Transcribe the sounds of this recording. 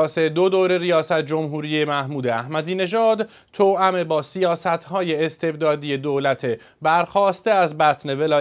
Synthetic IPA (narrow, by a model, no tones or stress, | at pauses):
sed̪od̪oːɾe̞ɾijɒːsæt̪ʰd͡ʒo̞mɦuːɾiːje̞mæhmuːd̪eæhmæd̪iːne̞ʒɒːd̪ | t̪ʰoːʔæme̞bɒːsijɒːsæt̪ʰhɒːje̞ːst̪ʰe̞bd̪ɒːd̪ije̞d̪oːlæt̪ʰe̞ | bæɾxɒːst̪e̞æzbæt̪ʰne̞velɒː